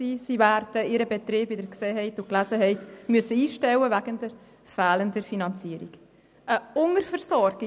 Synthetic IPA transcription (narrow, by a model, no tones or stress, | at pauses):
siːsivæɾdəɪɾəbetɾiːbɪdəɾkseːɦɛɪtʊklæsəɦɛɪtmʉəsəiːʃtɛwəvæɡ̥ənd̥əɾ | fɛːləndəɾfinɑnt͡siəɾḭɡ̥ | ʔəʊŋəɾfəɾsɔrɡi